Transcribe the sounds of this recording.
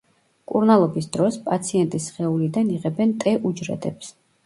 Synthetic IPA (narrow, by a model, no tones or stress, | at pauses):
kʼuɾnalˠɔbisd̪̥ɾɔspʼat̪sʰiɛnt̪ʼisχɛulid̪aniʁɛbɛnt̪ʼɛʔud͡ʒɾɛ̰d̪ɛps